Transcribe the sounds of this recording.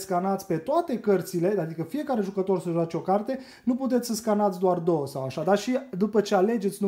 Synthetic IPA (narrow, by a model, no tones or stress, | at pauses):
skanat̪sʲpe̞t̪oat̪e̞kərt̪sile̞ad̪ikəfije̞kaɾe̞ʒukət̪o̞rsəʒuat͡ʃʲo̞kart̪e̞ | nuput̪̬et̪sʲsəskanat̪sʲd̪oard̪o̞wəsawaʃad̪aʃid̪upət͡ʃe̞ale̞d͡ʒet̪sʲnu